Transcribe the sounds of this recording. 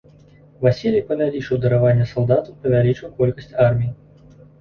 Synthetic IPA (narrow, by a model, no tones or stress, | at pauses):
vasʲilʲijpɐvʲalʲit͡ʂɨwd̪ɐɾavanʲːɐsalˠd̪at̪ɐwpɐvʲalʲit͡ʂɨwkɔlʲkɐsʲt͡sʲarmʲiji